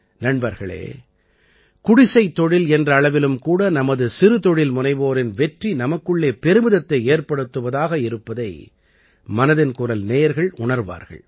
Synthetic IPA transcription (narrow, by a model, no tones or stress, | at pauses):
nɐɳbɐɾɣɐɭḛː | kʊɽɪsɐɪt̪ːɔɽɪlɛndrɐːɭɐʋɪlɯmkuːɽɐnɐmɐðɯsɪɾɯt̪ɔɽɪlmʊnɐɪʋoːɾɪnʋɛʈrinɐmɐkːɯɭːeːpɛɾɯmɪðɐt̪ːɐɪeːɾpɐɽɯt̪ːɯʋɐðaːɣɐɪɾɯpːɐðɐɪ | mɐnɐðɪnkʊrɐlneːjɐɾɣɐɭʊɳɐɾʋa̰ːɾɣɐ̰ɭ